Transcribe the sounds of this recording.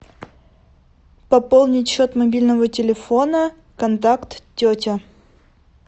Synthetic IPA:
pɐpolˠnʲɪtʲɕot̪mɐbʲilʲnəvətʲɪlʲɪfonə | kɐnt̪akt̪tʲːotʲɪ

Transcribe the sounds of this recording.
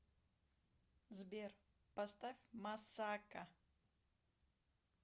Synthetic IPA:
zbʲer | pɐst̪afʲmɐsaka

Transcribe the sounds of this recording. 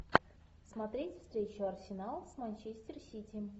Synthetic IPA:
smɐt̪ɾʲetʲfst̪ɾʲet͡ɕʊɐrsʲɪnalˠsmanʲt͡ɕesʲtʲɪrsʲitʲɪ

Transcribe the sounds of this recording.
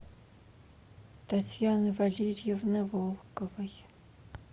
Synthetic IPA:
tʰatʰjanvaɮerijɛvnɐvolˠkʼɔvɐj

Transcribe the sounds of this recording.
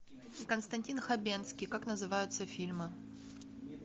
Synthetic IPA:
ikənst̪ɐnʲtʲinxɐbʲent̪skʲijkaknəzɨvajʊt̪səfʲilʲmɨ

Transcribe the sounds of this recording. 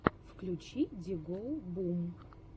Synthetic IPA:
fklʲut͡ɕidʲɪɡolˠbum

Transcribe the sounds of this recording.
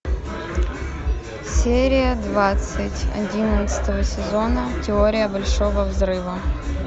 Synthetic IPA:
sʲeɾʲɪjəd̪vat̪sɨtʲɐ̰dʲinət̪sɨ̥t̪əvəsʲɪzonətʲɪoɾʲɪjəbɐlʲʂovəvzɾɨvə

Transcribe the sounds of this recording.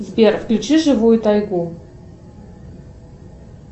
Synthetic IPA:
zbʲerfklʲut͡ɕiʐɨvujut̪ajɡu

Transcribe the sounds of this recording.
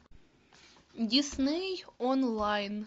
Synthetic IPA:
d̪ʲisnejonlˠɑjn

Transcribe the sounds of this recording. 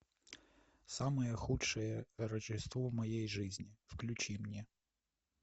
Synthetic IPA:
sɑmɛjɛxutʃɛjɛɾɐt͡ʃɪst̪ʋɔmɔjejʒɪzʲnʲiwklʲʊt͡ʃʲimnʲi

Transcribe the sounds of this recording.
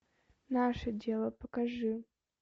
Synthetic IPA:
naʂədʲelˠəpəkɐʐɨ

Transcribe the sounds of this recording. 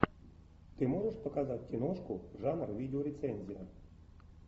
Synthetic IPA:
t̪ɨmoʐəʃpəkazat̚ʲkʲinoʂkuʐɑnrvʲidʲɪoɾʲet̪senʲzʲija

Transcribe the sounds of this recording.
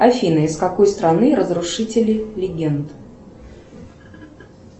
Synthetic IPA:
ɐfʲinɨɪskɐko̞jst̪ɾɐnɨɾəzɾʊʂɨtʲɪlʲɪlʲɪɡʲent̪

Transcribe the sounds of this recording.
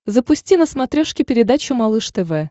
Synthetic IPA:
zəpʊsʲtʲinəsmɐt̪ɾʲoʂkʲɪpʲɪɾʲɪd̪at͡ɕʊmɐlˠɨʂt̪ɛvɛ

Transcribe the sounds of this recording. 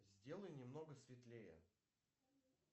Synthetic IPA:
zʲdʲe̞lˠəjnʲɪmno̞ɡəsvʲɪt̪lʲejə̰

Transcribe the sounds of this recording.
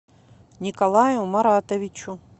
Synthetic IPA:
nʲikɐlˠajumɐɾat̪ɐʋʲit͡ʃu

